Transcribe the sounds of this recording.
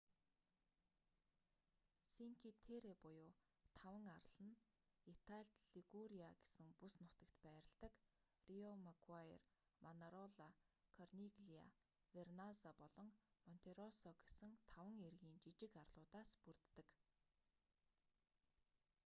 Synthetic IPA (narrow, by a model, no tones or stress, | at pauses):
siŋkʰit̪ʰeɾepʊjʊː | t̪ʰawə̆ŋaɾɮ̥ə̆n | it̪ʰaɮt̪ɮiɣuɾiaɡe̥sɘ̆ŋpusnʊt̪ə̆kt̪pæːɾə̆ɮt̪ə̆k | riɔmaɡwair | manaɾɔɮakʰɔrniɡɮia̰ | wernazapɔɮɞ̆ŋmɔn̥t̪ʰeɾɔsɔɡe̥sɘ̆ŋt̪ʰawə̆ŋerɣiːnt͡ɕit͡ɕɪ̆karɮʊːt̪aːspur̥t̪ːə̆k